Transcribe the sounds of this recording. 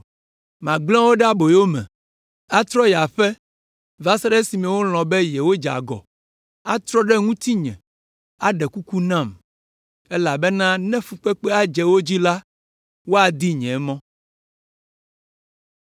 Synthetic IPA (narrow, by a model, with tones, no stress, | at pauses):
mã˨ɡ͡blɔ̃˦wo˦ɖɛ˦a˦bo˨jo˦mɛ̰̃˨ | a˦t̪ɾɔ˦ja˨ɸɛ˦ | va˦sa˦ɖɛ˦si˨mɛ̃˨wo˦l̃ɔ̃˨bɛ˦jɛ˨wo˦d͡ʒa̰˨ɡɔ̰˨ | a˦t̪ɾɔ˦ɖɛ˦ŋũ˦t̪i˦ɲɛ̰̃˨ | a˨ɖɛ˨ku˦ku˦nã˦˨m | ɛ˦la˨bɛ˦nã˦nɛ̃˦fu˨k͡pɛ˦k͡pɛ˦a˦d͡ʒɛ˨wo˦d͡ʑi˦la˦ | wo˦a˨d̪i˦ɲɛ̃˨˦mɔ̃˦